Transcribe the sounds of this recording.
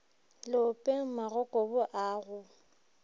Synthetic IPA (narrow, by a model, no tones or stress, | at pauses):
lɪʊpʼeŋ̩maɣɔkʼɔbʊʔaːɣʊ